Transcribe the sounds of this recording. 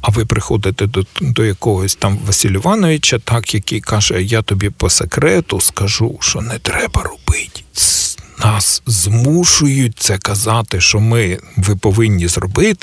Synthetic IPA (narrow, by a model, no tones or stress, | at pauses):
ɐʋɪpɾɪxɔd̪ɪt̪ɛd̪ɔjɐkɔɦɔsʲt̪ɑmʋɐsʲilʲʊʋɑnɔʋʲit͡ʃɐt̪ɑkjɐkɪjkɑʒɛjat̪ɔbʲipɔsekɾɛt̪ʊskɐʒuʃt͡ʃɔnɛt̪ɾɛbɐrɔb̥ɪtʲ | nɑszmuʃʊjʊt̚ʲt̪sɛkɐzɑt̪ɪʃɔmɪʋɪpɔʋɪnʲːizrɔbɪt̪ɪ